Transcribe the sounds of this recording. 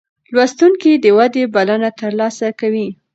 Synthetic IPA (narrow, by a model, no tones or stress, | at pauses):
lwast̪uŋkid̪əwad̪ebalanat̪əɾlɑsakawi